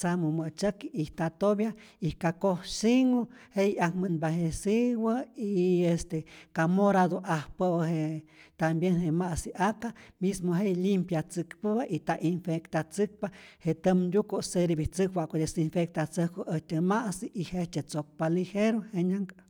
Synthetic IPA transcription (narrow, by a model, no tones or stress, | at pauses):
t͡samumət͡ʃəkiiht̪at̪objaihkakohsiŋohejakmənbahesiwəiest̪ekamoɾad̪oʔahpəwəhet̪ambjenhemasiʔakamismoɦejlimpjat͡sɨkpəbaʔit̪aʔinfekt̪at͡sɨk̚pahet̪əmd̪ukoseɾebit͡sɨkwaʔkod̪esinfek̚t̪at͡səhkoʔəht̪emaʔsiʔːheht͡ʃ̪et͡sok̚palixeɾoheɲaŋk